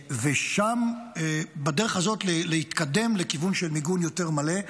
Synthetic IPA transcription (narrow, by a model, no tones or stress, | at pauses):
veʃamebadeʁeχazo̞tlelehit̪kad̪e̞mlekivunʃelmiɡunjo̞te̞ʁmale̞